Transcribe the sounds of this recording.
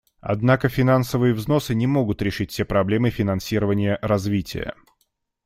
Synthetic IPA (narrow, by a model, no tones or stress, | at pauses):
ɐ̰d̪nakəfʲɪnansəvɨjəvzno̞sɨnʲɪmo̞ɡʊt̪ɾʲɪʂɨtʲsʲepɾɐblʲe̞mɨfʲɪnɐnsʲiɾəvənʲɪjəɾɐzvʲitʲɪ̰jə̰